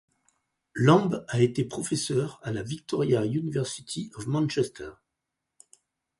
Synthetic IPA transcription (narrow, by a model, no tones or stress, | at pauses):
lɑ̃baet̪epχɔfɛsœʁalavik̚t̪ɔʁjaynivɛʁsit̪ʰiɔfmɑ̃nʃɛst̪ʰɛʁ